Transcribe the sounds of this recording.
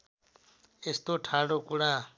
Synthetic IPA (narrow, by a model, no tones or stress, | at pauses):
est̪oʈʰaːɽokuɽa